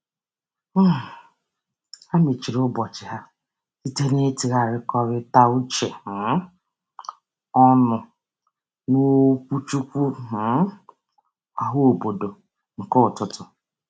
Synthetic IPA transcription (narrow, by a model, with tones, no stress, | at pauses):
a˦me˨t͡ʃi˨ɾʊ˦bɔ˨t͡ʃɪ˨ɦa˦ | si˦te˦ne˦ti˨ɣa˨ɾɪ˦kɔ˦ɾɪ˦ta˦u˦t͡ʃe˨m̩˨˦ | ɔ˦nʊ˨ | no˦kʷu˦t͡ʃu˦kʷu˦ | a˨ɦʊ˦o˨bo˨do˨ | ŋ̩˨kɔ˦˨tʊ˦tʊ˨